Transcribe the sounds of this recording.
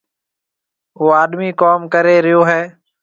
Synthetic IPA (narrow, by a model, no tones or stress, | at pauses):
oːaːɗ̪miːkoːmkəɾeːɾɪjoːɦɛː